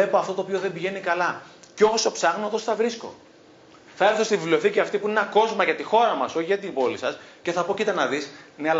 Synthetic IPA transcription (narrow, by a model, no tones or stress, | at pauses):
e̞poɐft̪o̞t̪oːpioðe̞mbiʝe̞nikɐlɐcooso̞psɐɣnot̪o̞sθɐvɾisko̞̰ | θɐe̞ɾθost̪ivivlioθiciɐft̪ipuinenɐko̞zmɐʝɐt̪ixo̞ɾɐmɐso̞ʝɐt̪imbo̞lisɐsce̞θɐpo̞cit̪ɐnɐðisneɐl